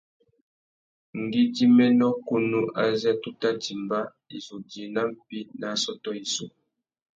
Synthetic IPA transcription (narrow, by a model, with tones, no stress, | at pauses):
ŋ̩˨ɡi˦di˦mɛ˦nɔ˦ku˦nu˦ʔa̰˨zɛ˦tu˦ta˦ti˨mba˦ | i˨zu˨d͡ʒi˨na˦m̩˨pi˦na˨sɔ˦tɔ˦i˨su˨